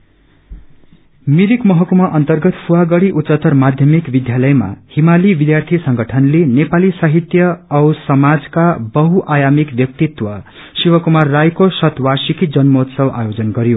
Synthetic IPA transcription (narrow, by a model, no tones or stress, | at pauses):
miɾikmʌɦʌkumaʔʌnt̪ʌrɡʌt̪fʰuwaɡʌɽiʔut̪ːt͡sʌt̪ʌrmad̪ʱjʌmikbid̪jalʌjma̰himalibid̪jart̪ʰisʌŋɡʌʈʰʌnlenepalisaɦit̪jʌʌwsʌmad͡zkabʌɦuʔajamikbjʌk̚t̪it̪wʌ | siwʌkumarːajkosʌt̪warsikid͡zʌnmot̪sʌwʔajod͡zʌnɡʌɾjo